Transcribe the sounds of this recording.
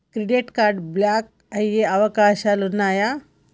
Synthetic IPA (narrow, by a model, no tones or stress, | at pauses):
kɾeɖeʈkaɾɖblak̚ | ajeaʋəkaɕalunaja